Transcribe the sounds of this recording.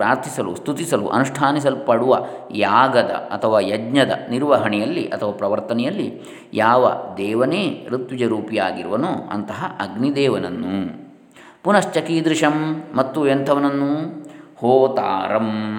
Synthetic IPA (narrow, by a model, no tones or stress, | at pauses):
ɾaːɾt̪ʰisɐlust̪ʰut̪isɐlṵʔɐ̰nuʂʈʰaːnis̬ɐlupɐɽuʋɐjaːɡɐd̪ɐ̰ɐt̪ʰɐʋaːjɐd͡ʒɲɐd̪ɐ̰niɾʋɐɦɐɳɛjɐlːiʔɐt̪ʰɐʋaːpɾɐʋɐɾt̪ɐnɛjɐlːḭ | jaːʋɐ̰d̪ɛːʋɐneːɾut̪ʋid͡ʒɐɾuːpijaːɡiɾuʋɐnoːɐ̰nt̪ɐɦɐʔɐɡnid̪ɛːʋɐnɐnːṵ | punɐst͡ʃɐkid̪ɾiʂɐmːɐt̪ːuent̪ʰɐʋɐnɐnːuhoːt̪a̰ːɾɐm